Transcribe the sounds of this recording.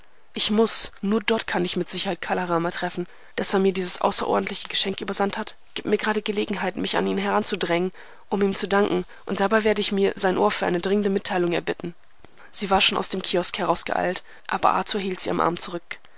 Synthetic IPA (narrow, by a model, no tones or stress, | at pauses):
ʔɪçmʊsnuːɐdɔɐtkʰanɪçmɪtz̥ɪçɐhaɪt̚kʰaːlaʁaːmatʁ̥ɛfn̩ | d̥aseːɐmiːɐdiːzəsʔa̰ʊsɐʔɔ̰ɐdn̩tʰlɪçəɡəʃɛŋkʔyːbɐzanthat | ɡ̥iːp̚tmiːɐɡəʁaːdəɡəleːɡŋ̩ɦaɪtmɪça̰niːnənɦɛʁant͡sudʁɛŋən | ʔʊmiːmt͡sudaŋkŋ̩ | ʔʊntd̥abaɪveːɐdəɪçmiːɐzaɪnʔoːɐfyːɐʔa̰ɪnədʁɪŋəndəmɪtʰːaɪlʊŋɛ̰ɐbɪtn̩ | z̥iːvaːɐʃoːnʔa̰ʊsd̥eːmkʰiːɔskhɛʁaʊsɡ̥ə̰ʔa̰ɪlt | ʔa̰ːbɐ̰ʔa̰t͡suːɐɦiːltz̥iːa̰mʔa̰ɐmt͡suʁ̞ʏk